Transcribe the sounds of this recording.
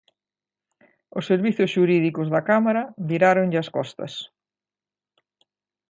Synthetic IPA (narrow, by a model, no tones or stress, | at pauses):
ʊsːeɾβiθjʊsʃuɾiðikʊzðɐkamaɾɐβiɾaɾʊŋʎɪɐskɔst̪ɐ̰s